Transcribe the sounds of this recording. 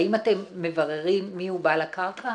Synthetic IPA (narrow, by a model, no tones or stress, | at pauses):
imate̞mːe̞vaʁeʁimːiubalakaʁkʰa